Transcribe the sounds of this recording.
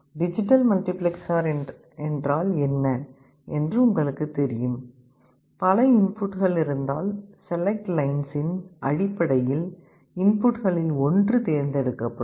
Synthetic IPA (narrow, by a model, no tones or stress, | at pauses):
ɖɪd͡ʒɪʈːɐlmɐlʈɪplɛksaːɾ | ɛndraːlɛnːɐ | ɛndrɯʊŋɡɐɭɯkːɯt̪ɛɾɪjɯm | pɐlɐɪnpʊʈɣɐɭɪɾɯnd̪aːlsɛlɐk̚ʈlɐɪnsɪnʔɐɻɪpːɐɽɐjɪl | ɪnpʊʈɣɐɭɪlɔndrɯt̪eːɾnd̪ɛɽɯkːɐpːɐ